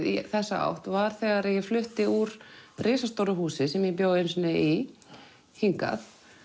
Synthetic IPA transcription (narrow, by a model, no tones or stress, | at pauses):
iθɛsːaa̰wht̪vaɾ̥θɛɣaɾɛjɛflʏht̪ɪuɾrɪːsast̪owɾʏɦhuːsɪsɛmjɛpjoːwðensnɪi | hiŋka̰θ